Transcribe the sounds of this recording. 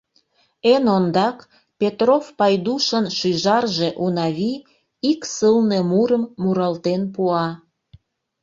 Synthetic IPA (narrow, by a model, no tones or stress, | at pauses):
enond̪ɑk | pʲet̪rofpɑjd̪uʃənʃyjʒɑrʒe̽ʔunɑβi | iksəlne̽muɾəmːuɾɑlt̪enpuɑ